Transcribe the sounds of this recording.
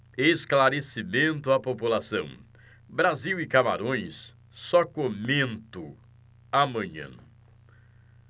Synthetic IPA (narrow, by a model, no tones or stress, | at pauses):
esklaɾesimẽnt̪ʊapopulasɐ̃w̃ | bɾaziwɪkama̰ɾõj̃s | sɔkomẽnt̪ʊ | amɐ̃ɲɐ̰̃